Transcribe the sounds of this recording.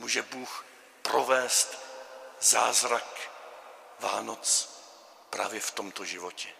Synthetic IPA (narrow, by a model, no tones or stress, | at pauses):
muːʒɛbuːx | pɾovɛːst̪ | zaːzɾak | va̰ːnot͡s | pɾa̰ːvjɛft̪omt̪oʒɪvocɛ